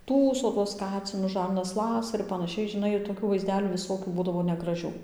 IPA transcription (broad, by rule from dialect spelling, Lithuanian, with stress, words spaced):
ˈtuːsoː tuɔs ˈkɑːt͡sʲɪnʊs ˈʒɐrnɐs ˈlˠɑːsɐ ɪr pɐnɐˈʃʲɛɪ ʒʲɪnˈɐɪ ɪr toːˈkʲuː ʋɐɪzʲˈdʲæːlʲuː ʋʲɪˈsoːkʲuː ˈbuːdɐʋoː nʲɛɡrɐˈʒʲuː